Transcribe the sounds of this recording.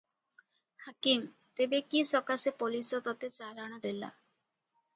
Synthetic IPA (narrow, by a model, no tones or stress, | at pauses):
hakimt̪ebekisɔkasepolisɔt̪ɔt̪et͡ʃalaɽ̃ɔd̪ela̰